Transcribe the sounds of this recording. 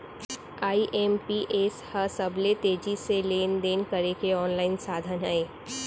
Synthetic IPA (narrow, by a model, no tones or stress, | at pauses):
aːiʔeːmpiʔeshɐsɐblet̪eːd͡ʒiseleːnd̪eːnkəɾekeɔːnlaːɪnsaːd̪ʱənɦɛeː